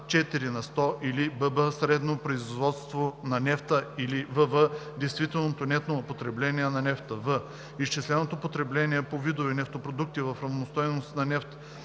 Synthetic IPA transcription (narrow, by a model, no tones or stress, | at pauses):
t͡ʃɛt̪iɾinɐst̪ɔʔilibəbəsɾɛd̪nopɾoizvɔt̪st̪vonɐnɛft̪əilivəvəd̪ɛjst̪vit̪ɛlˠnot̪onʲɛt̪nopot̪ɾɛblɛniɛnɐnɛft̪əvə | iʃt͡ʃislɛnot̪opot̪ɾɛblɛniɛpovid̪ovinɛft̪opɾod̪uk̚t̪ivɐfɾɐvnost̪ɔjnosnɐnɛft̪ə